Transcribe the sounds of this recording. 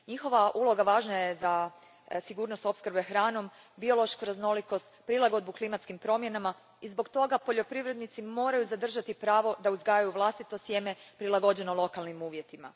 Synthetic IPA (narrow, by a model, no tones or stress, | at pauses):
ɲixo̞ʋaʔulˠo̞ɡaʋaːʒnajeza | siɡuːɾno̞st̪o̞pskr̩bexɾaːno̞m | bio̞lˠo̞ʃkuɾazno̞liko̞st̪pɾilˠaɡo̞d̪buklimat̪skimpɾo̞mje̞nama | izbo̞kt̪o̞ɡapo̞ʎo̞pɾiʋɾe̞d̪nit̪simo̞ːɾajuzad̪r̩ʒat̪ipɾaːʋo̞d̪auzɡaːjajuʋlˠast̪it̪o̞sje̞me̞pɾilˠaɡo̞d͡ʑe̞nolˠo̞kalˠnimuːʋje̞t̪ima̰